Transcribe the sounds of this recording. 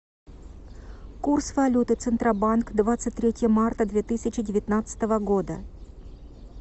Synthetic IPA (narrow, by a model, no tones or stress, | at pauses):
kursvɐlʲut̪ɨt̪sɨnt̪ɾɐbankd̪vat̪sɨt̚ʲt̪ʲːɾʲetʲɪjəmart̪əd̪vʲet̪ɨsʲɪt͡ɕɪdʲɪvʲɪt̪nat̪sə̥t̪əvəɡo̞d̪ə̰